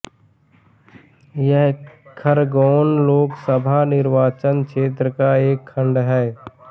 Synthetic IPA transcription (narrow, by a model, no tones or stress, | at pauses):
jɛɦkʰəɾɡoːnloːksəbʱanɪɾʋaːt͡ʃənkʰʃeːt̪̬ɾəkaeːkʰːə̃ɳɖɦɛː